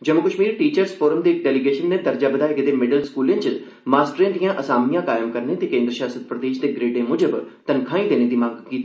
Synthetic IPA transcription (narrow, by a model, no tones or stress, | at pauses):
d͡ʑɐmːʊkəʃmiːɾʈiːt͡ɕəɾsfoːɾəmd̪eːk̚ɖeːliɡeːʃənːed̪ɐɾd͡ʒabəd̪aːeɡed̪emɪɖəlskuːlẽnt͡ʃə | maːsʈɾẽt̪ijãʔɐsaːmijãkaːjəmkɐɾnet̪ekẽːnd̪ɾəʃaːsət̪̚pɾɐd̪eːʃd̪eɡɾeːɖẽmʊd͡ʑəbt̪ɐnkʰãːĩd̪eːñed̪imãːɡkiːt̪i